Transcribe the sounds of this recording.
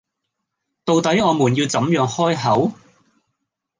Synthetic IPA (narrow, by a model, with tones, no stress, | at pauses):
t̪o˨wt̪ɐ˨˥jɔː˨˧muː˨˩njiː˧wt͡sɐ˨˥mjœː˨˧ŋhɔː˥jɦɐ˨˥w